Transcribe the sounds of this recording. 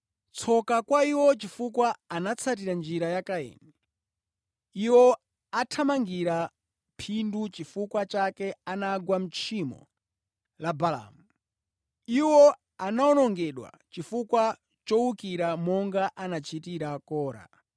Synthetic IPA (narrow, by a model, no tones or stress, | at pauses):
t͡sʰɔkakwaiwɔt͡ʃifukwaanat͡sʰat̬iɾand͡ʒiɾajakaɛ̰nɛ | iwɔ | atʰamaŋɡiɾa | pʰindut͡ʃifukwat͡ʃakɛanaɡwam̩t͡ʃʰimɔ̰ | labala̰mu | iwɔ | anaɔnɔŋɡɛɗwa̰ | t͡ʃifukwa | t͡ʃɔwukiɾamɔŋɡaʔanat͡ʃʰitiɾakɔːɾa̰